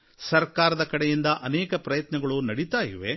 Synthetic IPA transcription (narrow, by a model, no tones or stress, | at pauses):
sɐɾkaːɾɐd̪ɐkɐɽɛjind̪ɐʔɐnɛːkɐpɾɐjɐt̪nɐɡɐɭunɐɽit̪aːjḭʋe